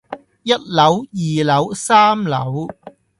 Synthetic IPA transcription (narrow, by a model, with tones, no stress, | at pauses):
jɐ˥t̚lɐ˨˥wjiː˨lɐ˨˥wsaː˥mlɐ̰˨˥w